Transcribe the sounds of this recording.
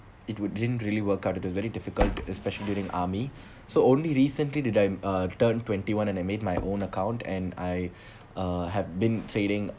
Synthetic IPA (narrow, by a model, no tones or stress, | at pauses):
ɪtwʊdɪdə̃ntɹiəliwəkaʊtɪtwɔsʋɛɾidɪfɪkəltɛspɛʃəlidjuːɾɪ̃ŋa̰ːmi | soõːnliɾiːsə̃nlidɪdajtəːntwɛ̃nʈiwãnɛ̃naɪmeːd̚majʔõːnəkãʊ̃ntɛ̰̃na̰ɪ | ɦɛvbĩntʰɾeɾɪ̃ŋ